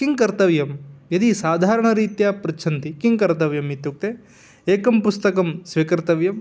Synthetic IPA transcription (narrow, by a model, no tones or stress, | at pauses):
kiŋkɐɾt̪ɐʋjɐmjɐd̪isaːd̪ʱaːɾɐɳɐɾiːt̪jaːpɾɐt͡ʃʰɐnt̪ikiŋkɐɾt̪ɐʋjɐmit̪juk̚t̪e | eːkɐmpust̪ɐkɐmsʋiːkɐɾt̪ɐʋjɐm